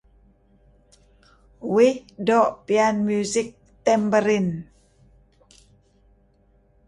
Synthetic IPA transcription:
wihdɔʔpianmjuzɪk̚ | t̪ɛmbəɾin

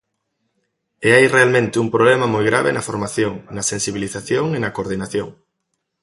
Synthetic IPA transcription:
eajrealmẽnt̪ɪumpɾoβlɛmɐmojɣɾaβḛnɐfoɾmaθjoŋnɐsensiβ̞iliθaθjoŋenɐkoɾðinaθjo̰ŋ

